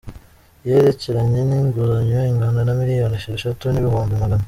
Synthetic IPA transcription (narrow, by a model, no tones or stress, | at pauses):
jeɾe̞ce̞ɾaɲeniŋɡuzaɲjoiŋɡaːndanamiɾijoniʃaʃatuniβihoːmvimaɡana